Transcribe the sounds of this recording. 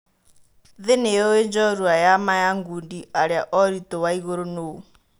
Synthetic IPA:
ðɛnɛjɔɛnd͡ʒɔɾuajamajaŋɡundiaɺiaʔɔɾit̪ʼɔwaiɣoɾonoːu

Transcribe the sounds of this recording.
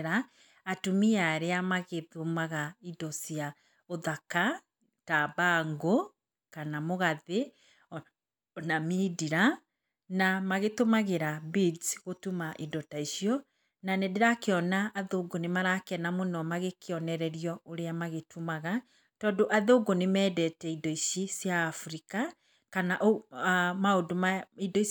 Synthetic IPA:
ɾaː | tumiaɾeamaɣeðomaɣaidɔsia | oðaka | taβaŋɡo | kanamoɣaðe | namidiɾa | namaɣetomaɣeɾabid͡zɣotumaʔidɔtaiʃiɔ | nanɛdeɾakeɔnaʔːðoːɡonemaɾakɛnamonɔmaɣekeɔnɛɾɛɾijɔoɾeamaɣetʰumaɣa | tɔːndoʔaðoːɡonemɛːdɛtɛidɔiʃisjaːfuɾika | kanaʔomaodomaidɔi

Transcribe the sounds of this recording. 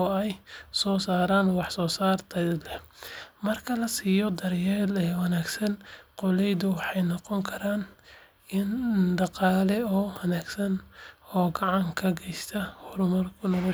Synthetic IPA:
ɔɛjsɔːsaːɾaːnwɑħsɔːsaːrt̪ʰɐd̪lɛmɐrkʰɐlɐsiːjɔd̪ɐrjɛːlɛːwɑnaːɡsɐnqɔlɛjd̪ʊwɑħɑjnɔqɔŋkʰɐɾaːn | ɪnɖɑqɑːlɛɔːwɐnaːɡsɐnɔːɡɑʕɑŋkʰɐɡʰɛjst̪ʰɐhʊɾʊmɐrkʰʊnɔlɔ

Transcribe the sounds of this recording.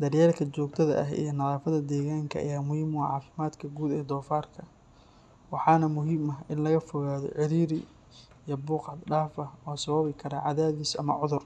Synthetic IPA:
d̪ɐrjaːlkʰɐt͡ʃɔːɡ̚t̪ʰɐðɐ̰ʔɐɦḭjɞnɐðaːfɐðɐd̪ɛːɣaːŋkʰɐʔɐ̰jaːmʊhiːmʕɑ̰ːfɪmaːd̪kʰɐɡuːd̪ɛːd̪ɔːfaːrkʰɐ | wɑħɑːnɐmʊɦiːmɐɦɪnlɐɣɐfɔɣaːðɔ̰ʕɪɾiːɾɪ | ijɔbʊːqɑd̪ɖaːfɐɔːsɐβɐβɪkʰɐɾɐʕɑðaːβiːsɐmɐ̰ʕʊðʊr

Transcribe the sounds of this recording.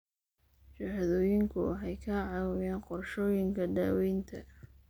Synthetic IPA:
t͡ʃɐhðɔːjɪŋkʰʊ̰ħɑjkʰɐʕɑwɔjaːnqɔrʃɔːjɪŋkʰɐd̪aːwɛjnt̪ʰɐ̰

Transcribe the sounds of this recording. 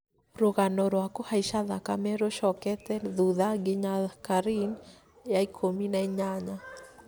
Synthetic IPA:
ɾoɣanɔɾwakohaiʃaðakamɛɾoʃɔkɛt̪ɛðuðaɡɪɲakaɾin | jaikʰominaiɲaɲa

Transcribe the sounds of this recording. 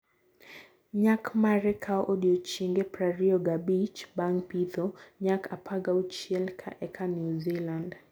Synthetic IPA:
ɲakmaɾɛkʰaɔʔɔɗiɔt͡ʃiŋɡɛpɾaɾiɔɡabit͡ʃbaŋpiðɔɲakʰapʰaɡaut͡ʃiɛlkʰa̰ʔɛkʰanjuziland

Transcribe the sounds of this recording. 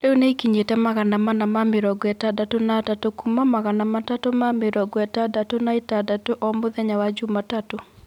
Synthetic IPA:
leoneikiɲetɛmaɣanamanamamɪɾɔɡɔɛtadatonatatokumamaɣanamatatomamɪɾɔɡɔɛtadatonaetadatoʔɔmoðɛɲawad͡ʒumatato

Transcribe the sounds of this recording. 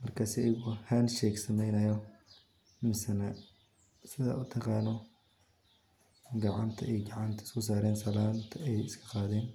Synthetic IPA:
mɐrkʰaːsiɛjɡʊhɐnʃɛːksɐmɛjnɐjɔ | mɪsɐnɐ | sɪða̰ːʊt̪ʰɐqɑːnɔ | ɡɐʕant̪ʰɐɛjɡɐʕant̪ʰɐ̥sɔs̬aːɾɛːnsɐlaːnt̪ʰɛjɪskʰɐ̥qaːðɛːn

